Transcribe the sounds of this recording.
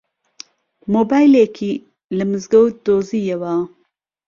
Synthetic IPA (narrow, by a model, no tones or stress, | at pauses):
moːbaːjlekʰi | lɨmɨzɡɐwd̪oːzijewa